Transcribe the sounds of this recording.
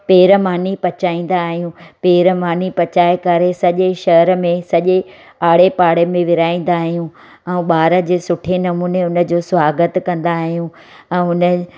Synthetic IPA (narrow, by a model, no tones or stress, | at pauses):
peːɾəmaːnipɐt͡ɕaːĩːn̆d̪aːɦijũpeːɾəmaːnipɐt͡ɕaːekɐɾesɐʄeʃɐəɾ̆mẽsɐʄe | aːɽepaːɽemẽʋɪɾaːĩːn̆d̪aːɦijũ | ɛ̃uːɓaːɾə̆d͡ʑeːsʊʈʰenɐmuːneʊnə̆d͡ʑoːsʊʋaːɡət̪kɐ̃nd̪aːɦijũ | ɛ̃ːʊnə̆